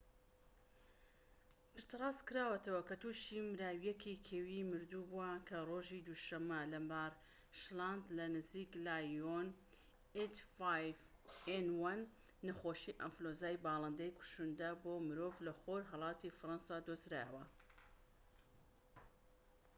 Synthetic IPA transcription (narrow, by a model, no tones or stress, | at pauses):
pɨʃt̪ɨrˤɑːskɨɾaːwɐt̪ɐwɐkɐt̪uːʃimɾaːwjɛkʰikʰeːwimɨɾd̪ubuakʰɐroʒid̪uʃɐmːɐlɐmbar | ʃland̪lɐnɨziːklaːjon | et̪fajvenwɐnː | ɐxoːʃiːʔɐmflozaːjbɑːlˠɐnd̪ejkʰu̥ʃund̪ɐboːmɨɾovlɐxoɾɦɐlˠɑːt̪ifɨɾɑnsaːd̪ozɾa̰ːjəwɐ